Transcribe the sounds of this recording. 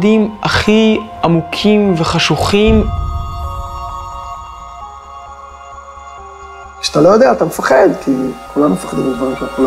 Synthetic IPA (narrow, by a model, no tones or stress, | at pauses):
dimaχiamukʰimveχaʃuχim | kʃat̪alo̞jod̪eaːt̪amefaχed̪kʰikulanumefḁχed̪imbed̪vaʁimʃakul